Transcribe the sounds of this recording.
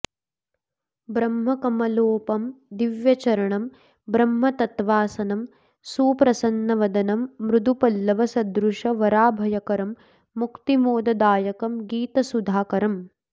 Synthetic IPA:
bɾɐmɦɐkɐmɐloːpɐmd̪iʋjɐt͡ʃɐɾɐɳɐm | bɾɐmːɐt̪ɐt̪ʋaːsɐnɐm | suːpɾɐsɐnːɐʋɐd̪ɐnɐmːɾud̪upɐlːɐʋɐsɐd̪ɾuʂɐʋɐɾaːbʱɐjɐkɐɾɐmː | ukt̪imoːd̪ɐd̪aːjɐkɐmɡiːt̪ɐsud̪ʱaːkɐɾɐm

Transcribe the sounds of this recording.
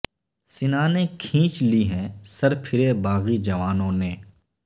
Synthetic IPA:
sɪnaːnekʰĩːt͡ʃliɦɛ̃sɐɾpʰɪɾebaːɣid͡ʒɐʋaːnõneː

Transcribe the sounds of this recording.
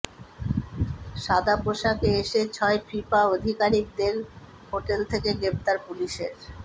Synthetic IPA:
ʃad̪ʱapoʃakeeʃet͡ɕʰɔepʰɾipaod̪ʱikaɾik̚d̪eɾ | hoʈelt̪ʰekeɡɾep̚t̪aɾpuliʃḛɾ

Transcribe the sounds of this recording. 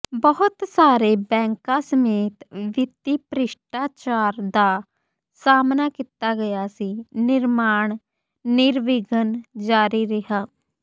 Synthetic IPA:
bəɦʊt̪saːɾeːbɛ̃ːŋkãːsəmeːt̪ʋɪt̪iːpɾɪʃʈaːt͡ʃaːɾd̪aː | saːmnaːkit̪aːɡəjaːsiːnɪɾmaːɳ | nɪɾʋɪɡənd͡ʒaːɾiːɾɪɦaː

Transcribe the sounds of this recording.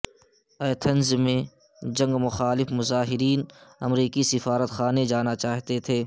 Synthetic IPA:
ɐːt̪ʰənzmẽ | d͡ʒɐ̃ŋɡmʊxaːlɪfmʊzaːɦɪɾiːnɐ̰mɾiːkisɪfaːɾət̪xaːned͡ʒaːnat͡ʃaːɦt̪et̪ʰeː

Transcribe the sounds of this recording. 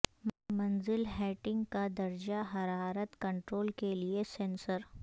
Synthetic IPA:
mmɐnzɪlɦɛːʈɪ̃ŋɡkad̪ɐɾd͡ʒaɦɐɾaːɾət̪kɐ̃ɳʈɾoːlkeliesẽːnsəɾ

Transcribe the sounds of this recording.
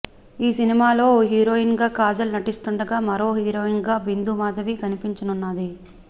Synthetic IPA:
iːsinimaːlo̞ːɦiːɾo̞ːinɡaːkaːd͡ʒɐlunɐʈist̪uɳɖɐɡaːmɐɾo̞ːɦiːɾoːinɡaːbind̪umaːd̪ɐʋikɐnipiɲt͡ʃɐnunːaːd̪i

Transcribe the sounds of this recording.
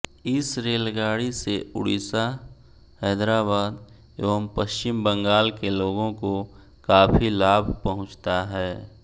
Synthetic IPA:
ɪsɾeːlɡaːɽiseʊ̰ɽisa | hɛːd̪ɾaːbaːd̪ | eʋəmpəʃt͡ʃɪmbə̃ŋɡaːlkeloːɡõko | kaːpʰilaːbʱpɐɦʊ̃t͡ʃt̪aɦɛː

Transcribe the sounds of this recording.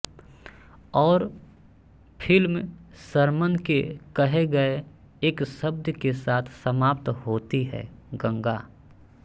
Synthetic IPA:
ɔːɾ | pʰɪlmsəɾmənkekɐɦeɡɐe | eːksəb̚d̪ʱjkesaːt̪ʰsəmaːp̚t̪hoːt̪iɦɛ̰ːɡə̃ŋɡa

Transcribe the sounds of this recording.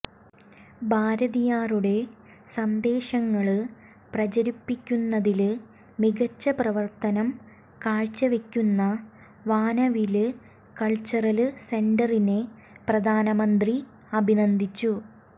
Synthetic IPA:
bʱaːɾɐðijaːruɽe̞ | sɐnd̪e̞ːɕɐŋːɐɭɨ | prɐt͡ɕɐɾipːikʲːunːɐðilɨ | miɡɐt͡ɕːɐprɐʋɐrt̪ɐnɐm | kaːɻt͡ɕːɐʋe̞kʲːunːɐ | ʋaːnɐʋilɨ | kɐɭt͡ɕːɐrɐlse̞ɳɖɐrine | prɐd̪ʱaːnɐmɐnd̪ri | ɐbʱinɐnd̪ʱit͡ɕːu

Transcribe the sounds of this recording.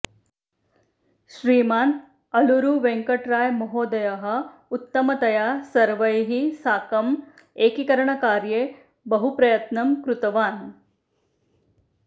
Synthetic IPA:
ʃɾiːmaːn | ɐluɾuʋeŋkɐʈɾaːjmɔɦoːd̪ɐjɐɦɐ̆ut̪ːɐmɐt̪ɐjaːsɐɾʋɐjɦisaːkɐm | eːkikɐɾɐɳɐkaːɾjeː | bɐɦupɾɐjɐt̪nɐmkɾut̪ɐʋaːn

